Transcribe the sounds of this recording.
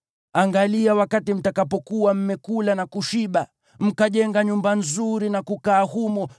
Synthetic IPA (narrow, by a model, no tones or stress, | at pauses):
aŋɡaliawakatim̩takapɔkuwam̩mɛkulanakuʃiɓa | m̩kaʄɛŋɡaɲumbanzuɾinakukaːhumɔ